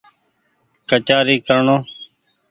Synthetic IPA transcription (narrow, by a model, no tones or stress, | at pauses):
kət͡ʃaːɾiːkəɾɳoː